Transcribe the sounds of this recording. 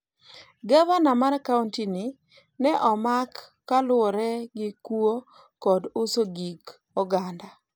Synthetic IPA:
ɡawanamarkauntini | nɛʔɔmakː | alʊɔɾɛɡɪkuo | kɔdʊsoɡik | ɔɡanda

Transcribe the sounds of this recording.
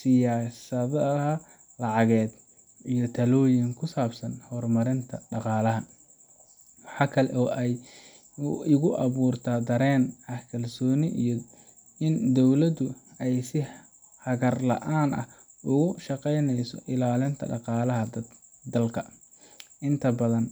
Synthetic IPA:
sɪjaːsɐðɐɐ | lɑʕɑɣɛːd̪ | ijɞt̪ʰɐlɔːjɪŋkʰʊsaːbsɐnhɔːrmɐɾɪnt̪ʰɐɖɑqɑːlɐɦɐ | wɑħɑːkʰɐlɛ̰ʔɔːʔɛj | ɪɣʊʔɑβuːrt̪ʰad̪ɐɾɛːnʔɐhkʰɐlsɔːnɪʔij | ɪnd̪ɔwlɐd̪ʊɛjsɪ | hɐɣɐrlɐ̰ʔaːnʔɐ̰h | ʊɣʊʃɑqɛjnɛjsɔʔɪlaːlɪnt̪ʰɐ̰ɖɑqɑːlɐɦɐd̪ | d̪ɐlkʰɐ | ʔɪnt̪ʰɐbɐðɐn

